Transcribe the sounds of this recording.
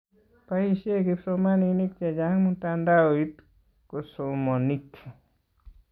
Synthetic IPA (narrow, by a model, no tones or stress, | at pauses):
paisekipsomaninik̚t͡ʃed͡ʒaŋmunt̪and̪aoit̪ | kosomonitʰi